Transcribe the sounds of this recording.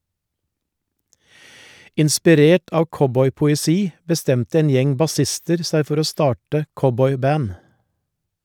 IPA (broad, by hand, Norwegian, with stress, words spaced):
ɪnspɪˈɾeːʈ ˈɑːʋ ˈkɔbɔʏpʊɛˌsiː bəˈstɛmtə ˈeːn ˈjɛŋ bɑˈsɪstəɾ ˈsæɪ ˈfɔɾ ˈoː ˈstɑːʈə ˈkɔbɔʏˌbæːn